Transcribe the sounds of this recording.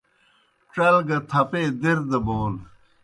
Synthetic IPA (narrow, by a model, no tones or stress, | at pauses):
ʈ͡ʂɐlɡɐt̪ʰɐpeːd̪iɾd̪ɐboːl